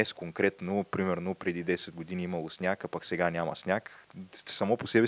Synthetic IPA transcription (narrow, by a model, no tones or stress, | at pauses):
ɛskoŋkɾɛt̪nopɾimɛɾnopɾɛd̪id̪ɛsɛd̪̚ɡod̪iniimɐlˠosnʲakapaksɛɡanʲamɐ̰snʲaksɐmɔposɛbɛ